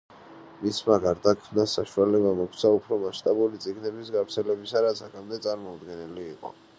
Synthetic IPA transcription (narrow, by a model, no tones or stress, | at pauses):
mismaɡaɾd̪akʰmnasaʃualɛbamɔkʰt̪sʰaupʰɾɔmaʃt̪ʼabulit̪sʼiɡnɛbisɡavɾt̪sʰɛlɛbisaɾat̪sʰakʰamd̪ɛt̪sʼaɾmɔud̪ɡɛnɛliːqʼɔ̰